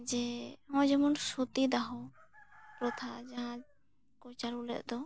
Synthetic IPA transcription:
d͡ʒɛɔ̃d͡ʒɛmɔnsut̪id̪aɦɔ | pɾɔt̪ʰad͡ʒaɦã | kɔt͡ʃaɾulɛ̰t̪̚ˀd̪ɔ

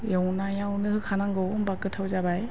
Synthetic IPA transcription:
jɔwnajawnɯhɯkʰanaŋɡɯwɯmbakːɯtʰawzabaj

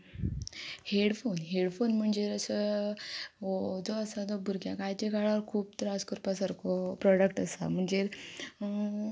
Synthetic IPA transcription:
heɽfonɦeɽfonm̤əɳd͡zeɾəsə | od͡zɔəsad͡zɔbʱuɾɡjakajt͡ɕeɡʱaɭaɾkʰuːb̚t̪ɾãskoɾpasəɾkɔpɾɔɽəkʈəsa̰m̤əɳd͡zeɾ

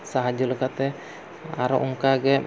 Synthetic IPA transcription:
saɦad͡ʒulɛkat̪ɛ | a̰ɾɔʔuŋkaɡɛ

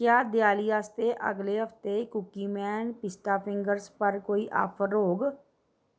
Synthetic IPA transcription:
kjaːd̪ɪjaːliaːst̪eʔə̰ɡleɦəpt̪ekʊkiːmɛːnpɪsʈ̪aːpʰɪ̃ŋɡəɾspəɾkoːiʔa̰ːpʰəɾɾoːɡ

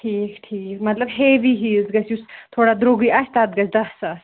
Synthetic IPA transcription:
ʈʰiːkʈʰiːkmɐt̪lɐbɦeːʋiɦiːlzɡɐsʰust̪ʰoːɽad̪ɾoɡiɐsʲt̪at̪̚ɡɐt͡sʰd̪ɐssɐs

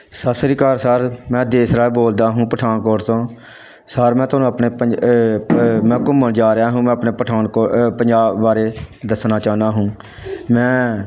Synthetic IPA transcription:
səsɾiːkəɾsəɾmɛ̃ːd̪eːsɾaːeboːld̪aːɦũːpəʈʰaːnkoːʈt̪õː | səɾmɛ̃ːt̪ʊoːnũːəpneːə | mɛ̃ːkʊmːəɳd͡ʒaːɾaːɦũːmɛ̃ːəpneːpəʈʰaːnkoːpəɲd͡ʒaːbːaːɾeːd̪əsnaːt͡ʃaːnaːɦũː | mɛ̃ː

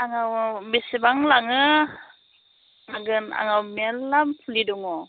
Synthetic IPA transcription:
aŋawbisibaŋlaŋə | laɡəna̰ŋawmelamfuliduŋo

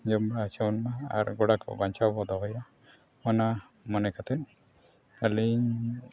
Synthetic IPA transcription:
d͡ʒɔmbɾaːt͡ʃawnmaa̰ɾɡɔɽakɔ̰baɲt͡ʃabɔd̪ɔɦɔja | mɔna | mɔnɛkat̪ɛn | aliɲ

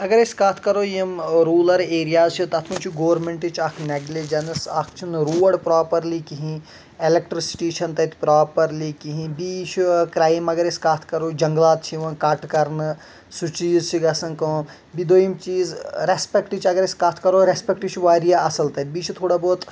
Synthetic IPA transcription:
ɐɡɐɾiskat̪ʰkɐɾoːjimɾuːlɐɾeːɾijaːzt͡ʃʰit̪ɐt̪ʰũnt͡ʃʰiɡoːʋɾmeɳʈit͡ʃʰɐkʰneɡled͡ʒɐnsaːkʰt͡ʃʰinɾuːɖpɾaːpɐɾlikiɦĩ | elek̚ʈɾisi̥ʈeːʃɐnt̪ɐt̪ʰpɾaːpɐɾlikiɦĩbiːt͡ʃʰukɾaːjmɐɡɐɾiskat̪ʰkɐɾoːd͡ʒɐŋɡlaːt̪̚t͡ʃʰiʋɐ̃nkɐʈkɐɾnɨ | sut͡ʃiːzt͡ʃʰiɡɐsɐnkõ | bid̪oːjimt͡ʃiːzɾespekʈit͡ʃʰɐɡɐɾiskɐt̪ʰkɐɾoːɾespekʈit͡ʃʰʋaːɾijaɐsɐlt̪ɐt̪̚ʲbiːt͡ʃʰut̪ʰoːɽaboːt̪

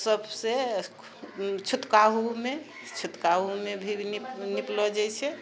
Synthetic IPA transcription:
səbʱse | t͡ʃʰut̪kaɦume | t͡ʃʰut̪kaɦumebʱininiplɔd͡ʒɛjt͡ʃʰɛ

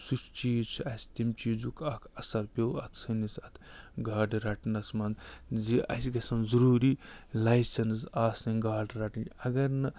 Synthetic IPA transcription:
sut͡ʃt͡ʃiːt͡ʃʰuɐsʲt̪imt͡ʃiːzukʰɐkʰɐsɐɾpʲowɐ̰t̪ʰsɨnisɐt̪ʰɡaːɖɾɐʈnɐsmɐnd̪ziɐ̰sʲiɡɐsɐnzɐɾuːɾiːlajsɐnsaːsiɡaːɖɾaʈinɐɡɐɾnɨ

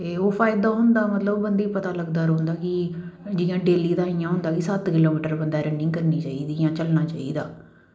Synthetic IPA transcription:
t̪eːoːpʰaːɪd̪aːɦʊnd̪aːmət̪ləbbənd̪iːpət̪aːləɡd̪aːɾoʊ̃nd̪aːkɪ | d͡ʒɪjãːɖeːliːd̪aːijãːɦʊ̃nd̪aːkisət̪kɪloːmiːʈəɾbənd̪aːɾɛ̃ɳɖɪ̃ŋɡkəɾniːt͡ʃaːiːd̪iːjãːt͡ʃəlnaːt͡ʃaːiːd̪aː

